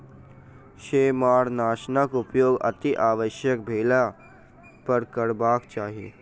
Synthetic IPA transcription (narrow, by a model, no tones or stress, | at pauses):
ʃeːmaːɾnaːʃnəkʊpjoːɡɐ̰t̪iʔaːʋəʃjək̚bʱeːla | pɐɾkəɾbaːkt͡ʃaːɦijḛː